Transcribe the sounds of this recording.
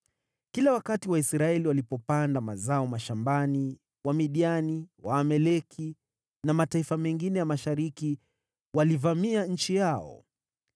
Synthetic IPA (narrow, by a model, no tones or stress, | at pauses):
kilawakatiwaisɾaɛliwalipɔpandamazaɔmaʃambani | wamiɗianiwaːmɛlɛkʰi | namataifamɛŋɡinɛjamaʃaɾiki | walivamiaɲ̩t͡ʃijaɔ̰